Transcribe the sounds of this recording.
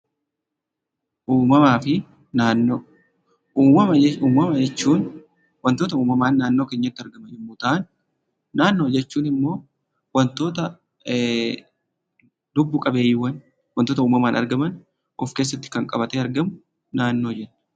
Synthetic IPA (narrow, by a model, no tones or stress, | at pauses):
ʔuːmɐmaːfɪ | naːnːoː | uːɐmɐuːmɐmɐd͡ʒɛt͡ʃːuːn | wɐnt̪oːt̪ɐuːmɐmaːnːaːnːo̞ːke̞ːɲːɐt̪ːɪɐɾɡɐmɐnɪmːʊt̪ɐʔɐn | naːnːo̞ːd͡ʒɛt͡ʃːuːnɪmːo̞ː | wɐnt̪o̞ːt̪ɐ | d̪ʊbːʊkʼɐbe̞ːjɪwɐn | wɐnt̪oːt̪ɐuːmɐmaːnɐ̰ɾɡɐmɐn | ʔɔfkeːs̬ːɐt̪ːɪ̥kɐŋkʼɐbɐt̪ɛɐɾɡɐmʊ | naːnːo̞ːd͡ʒɛnːɐ̥